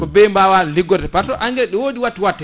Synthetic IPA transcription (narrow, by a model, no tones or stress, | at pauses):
kɔbɛjmbawaliɡɔtɛpatɔʔaŋɡɛlɛɗɛwoːdiwatːiwatːɛ